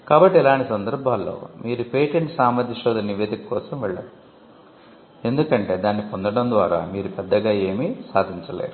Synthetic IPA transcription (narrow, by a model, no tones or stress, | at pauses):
kaːbɐʈːiɛlaːɳʈisɐnd̪ɐɾbʱaːlːo̰ːmiːɾupeːʈeɳʈsaːmad̪jɐʃɔːd̪ɐnɐnːiʋe̞ːd̪ikɐkɔːsɐmʋɛɭːɐ̰ɽu | e̞nd̪ukɐɳʈe̞ːd̪aːnːipo̞nd̪ɐɽɐnd̪ʋaːɾa̰ːmiːɾupɛd̪ːɐɡaːe̞ːmisaːd̪ʱint͡ʃɐle̞̰ːɾu